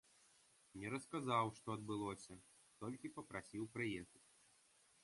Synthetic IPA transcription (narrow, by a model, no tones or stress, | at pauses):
nʲɛɾɐskazawʂt̪ɔɐd̪̚bɨlˠɔsʲɐ | t̪ɔlʲkʲipɐpɾasʲiwpɾɨjɛxɐt͡sʲ